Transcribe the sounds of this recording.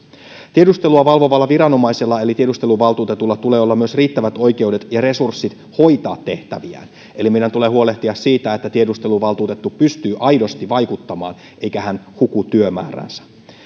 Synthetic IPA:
t̪iedust̪e̞luɑʋɑlʋo̞ʋɑlːɑʋiɾɑno̞mɑjselːɑe̞lit̪ie̞ust̪e̞luʋɑlt̪uːt̪et̪ulːɑt̪ule̞ːolːɑmyø̞sriːt̪ːæʋæt̪o̞jk̟euwde̞t̪jɑre̞sursːit̪ | ho̞jt̪ɑːt̪ːe̞ht̪æ̰ʋiæ̰ːn | e̞limeidænt̪uleɦuo̞leht̪iɑssiːt̪æet̪ːæt̪ie̞dust̪eluʋɑlt̪uːt̪e̞t̪ːupyst̪yːʔɑjdo̞st̪iʋɑjkut̪ːɑmɑ̰ːn | ʔe̞jkæhænhukut̪yømæ̰ːræ̰nsæ̥

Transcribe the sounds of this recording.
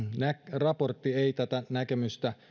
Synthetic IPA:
nækrɑport̪ːieˑit̪æt̪ænækemyst̪æ

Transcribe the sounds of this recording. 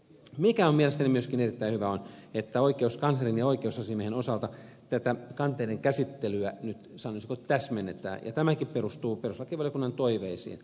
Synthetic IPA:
mikæommielest̪ænimyøskinerit̪ːæihyʋæonet̪ːæoikeuskɑnsɑrinjɑoikeusɑsimehenosɑlt̪ɑ | t̪æt̪ækɑnt̪ˑeideŋkæsit̪ːelyænyt̪sɑnoˑisikot̪æsmenːet̪æ̰ːjɑ̰t̪æmækipperust̪uːperuslɑkiʋɑljokunːɑnt̪oiʋeisḭːn

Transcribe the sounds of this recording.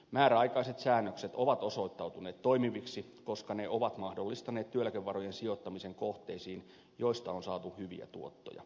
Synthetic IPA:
mæːɾæɑijkɑiset̪sæːnːøkset̪oʋɑt̪o̞so̞it̪ːɑwt̪uneːt̪t̪ːoimiʋiksi | ko̞skɑneʔoʋɑt̪mɑhdolːist̪ɑneːt̪t̪yølækeʋːɑrojensiot̪ːɑmiseŋkoht̪eisiːn | joist̪ɑonsɑːt̪uhyʋḭæ̰t̪uot̪ːo̰jɑ̰

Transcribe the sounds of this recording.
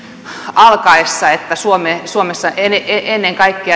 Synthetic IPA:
ɑlkɑesːɑet̪ːæsuomesuomesːɑeneʔenːeŋkɑikːeɑ

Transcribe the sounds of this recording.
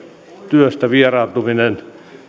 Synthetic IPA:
t̪yøst̪æʋierɑˑlt̪uminen

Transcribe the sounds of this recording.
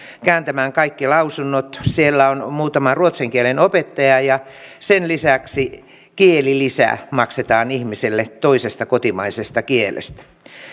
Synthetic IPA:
kæːnt̪æmæːŋkɑikːilɑusunːot̪sielːæonmuːt̪ɑmɑruot̪seŋkielenopet̪ːɑjɑjɑsenlisæksi | kielilisæ̰mɑkset̪ɑːnihmiselːet̪oisest̪ɑkot̪imɑisest̪ɑkielḛst̪æ̥

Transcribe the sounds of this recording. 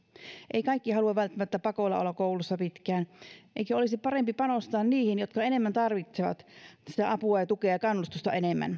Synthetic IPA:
ʔeikɑikːihɑluɑʋʋælt̪ːæmæt̪ːæpɑkoilɑ̰o̰lːˑɑkoulusːɑpit̪kæːnʔḛikæolisipɑrempipɑnost̪ɑːnniːhinjot̪kɑenemːænt̪ɑrʋit̪seʋɑ̰t̪sit̪æʔɑpuɑjɑt̪ukeɑjɑkɑnːust̪ust̪ɑ̰enemːæ̰n

